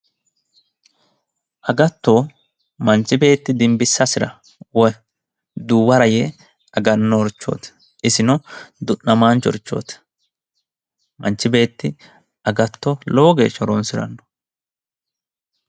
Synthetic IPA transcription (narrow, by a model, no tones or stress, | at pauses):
ʔɐɡɐt̪ːoː | mɐnt͡ʃːɪbe̞ːt̪ːɪd̪ɪmbɪsːɐsɪɾɐ̰ | wɔj | d̪uːwɐɾɐjɛ | ɐɡɐnːɔːɾt͡ʃːo̰ːt̪ | ʔɪsɪnɔd̪ʊʔɐmaːnt͡ʃɔ̰ɾt͡ʃːo̰ːt̪ | mɐnt͡ʃːɪbe̞ːt̪ːɪ | ɐɡɐt̪ːɔloːɡeːʃɔɾɔnsɪɾɐ̰nːɔ̥